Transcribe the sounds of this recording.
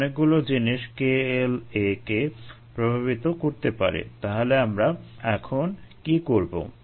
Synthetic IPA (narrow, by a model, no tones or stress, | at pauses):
nek̚ɡulod͡ʑiniʃkeeleke | pɾobʱaβit̪okoɾt̪epa̰ɾḛt̪aɦoleamɾaɛkʰonkikoɾbo̰